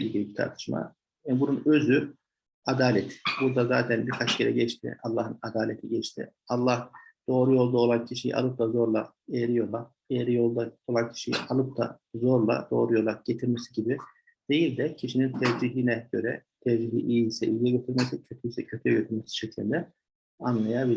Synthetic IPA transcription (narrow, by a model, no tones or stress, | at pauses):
ilʲɟilʲibit̪ʰa̰ɾt̪ʰɯ̥ʃma̰ | ɛbununø̞zy | ad̪aːlʲɛt̪ʰbuɾd̪azaːt̪ʰɛnbiɾkʰat͡ʃjɛɾɛɟɛt͡ʃt̪ʰḭɑlˠːaːɦɯnad̪aːlʲet̪ʰiɟɛt͡ʃt̪ʰḭ | ɑlˠːahd̪̥o̞ːɾujo̞lˠd̪aolˠancʰiʃijḭʔa̰lˠɯp̚d̪azo̞ɾlˠa | ejeɾijo̞lˠa | ejeɾijo̞lˠd̪aolˠancʰi̥ʃij̰ʔalˠɯp̚d̪a̰ | zo̞ɾlˠa̰d̪̥o̞ːɾujo̞lˠaɟ̥et̪ʰiɾmɛsiɟibɪ | d̪̥e̞jilʲd̪ɛcʰiʃinint̪ʰɛvd͡ʒiɦinɛɟøɾɛ̰t̪ʰɛvd͡ʒiɦḭʔijisɛ̰ʔijjɛɟøt̪ʰiɾmɛs̬icʰøt̪ʰyisɛcʰøt̪ʰyjɛɟøt̪ʰyɾmesi̥ʃɛcʰlʲind̪ɛ | anlˠajabi